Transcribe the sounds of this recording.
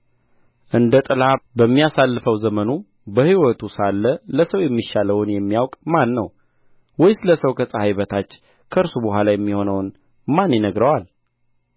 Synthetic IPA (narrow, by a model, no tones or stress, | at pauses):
ʔɨnd̪ət̪ʼɨlabəmːijasalːɨfəwzəmənu | bəhiwɔt̪ʰusalːələsəwjɛmːiʃːaləwnjɛmːijawkʼmanːəw | wɔjsɨləsəwkʰəsʼəhajbət̪ʰat͡ʃː | kʰəɨɾsuboɦʷalajɛmːiho̞nəwn | manjɛnəɡɾəwal